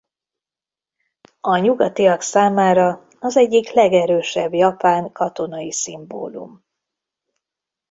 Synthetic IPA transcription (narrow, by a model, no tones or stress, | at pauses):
ɒɲuɡɒt̪ijɒksaːmaːɾɒ | ɒzɛɟːiklɛɡɛɾøːʃɛbjɒpaːŋkɒt̪o̞nɒjisimbo̰ːlṵm